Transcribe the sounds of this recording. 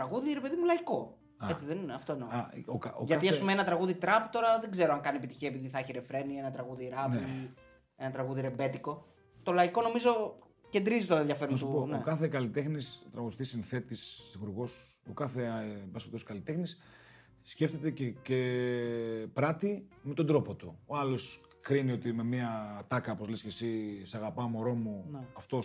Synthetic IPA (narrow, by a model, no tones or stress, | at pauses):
t̪ɾɐɣuðiɾe̞pe̞ðimulɐiko̞ | ɐet͡siðenineɐft̪o̞inoɐokaoʝɐɐt̪iɐspumeenɐt̪ɾɐɣuðit̪ɾɐpt̪o̞ɾɐðe̞ɡze̞ɾoɐŋkɐniepit̪içiɐepiðiθɐçiɾe̞fɾe̞nie̞nɐt̪ɾɐɣuðiɾɐpi | e̞nɐt̪ɾɐɣuðiɾe̞be̞t̪iko̞ | t̪o̞lɐiko̞no̞mizo̞ | ce̞nd̪ɾizit̪oɾɐeðʝɐfe̞ɾuɐsponeokɐθekɐlit̪exnist̪ɾɐɣuðist̪isinθe̞t̪isθixuɾɣo̞s | okɐθe̞bɐspet̪oskɐlit̪e̞xnisː | ce̞ft̪e̞t̪ecece | pɾɐt̪ime̞t̪o̞d̪ɾo̞pot̪uoɐlo̞s | kɾinio̞t̪ime̞miɐt̪ɐkɐopo̞zlescesisɐɣɐpɐmo̞ɾo̞muɐft̪o